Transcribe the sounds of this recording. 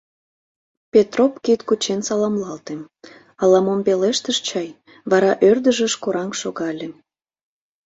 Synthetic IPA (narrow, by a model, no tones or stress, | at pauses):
pʲet̪ropkit̪kut͡ɕensɑlɑmlɑlt̪em | ɑlɑmompeleʃt̪əʃt͡ɕɑj | βɑɾɑʔørd̪əʒə̆ʃkoɾɑŋʃoɣɑlʲe